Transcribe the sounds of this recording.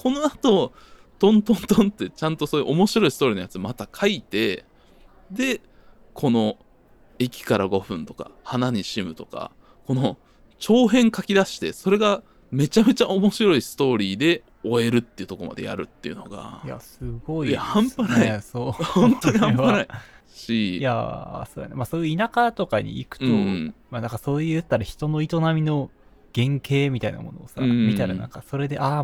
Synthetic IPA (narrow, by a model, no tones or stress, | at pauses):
kʰo̞no̞at̪o̞ | t̪õ̞nt̪õ̞nt̪õnt̪ːe̞t͡ɕãnt̪oso̞ːjɯ̰ʔomo̞ɕiɾo̞isɨ̥t̪oːɾinojat͡sɨmat̪akʰait̪e̞ | d̪e̞ | kʰo̞no̞ | ekʲi̥kaɾaɡo̞ɸɯ̟̃nt̪o̞ka̰hanaɲ̟iɕimɯ̟t̪o̞ka̰ | ko̞no̞ | t͡ɕo̞ːɦẽ̞ŋkakʲid̪aɕi̥t̪e̞̰so̞ɾe̞ɡa | me̞t͡ɕame̞t͡ɕaʔo̞mo̞ɕiɾo̞isɨ̥t̪o̞ːɾʲiːd̪e̞ | oe̞ɾɯ̟t̪ːejɯ̟t̪o̞koma̰d̪e̞̰ja̰ɾɯ̟̰t̪ːe̞jɯ̟no̞ɡa̰ja̰sɨɡo̞iahãmpanasoːhõnt̪oɲihãanaɕija̰soːd̪ja̰nemasoːjɯinakat̪o̞kaɲ̟ḭːkɯ̟̥t̪o̞manãŋkaso̞ːjɯjɯt̪ːaɾaçi̥t̪o̞no̞it̪o̞namʲino̞ | ɡ̥ẽ̞ŋkʰe̞ːmʲit̪aina̰mo̞no̞̰ːsamʲit̪aɾa̰nã̰ŋkaso̞ɾe̞d̪e̞ʔa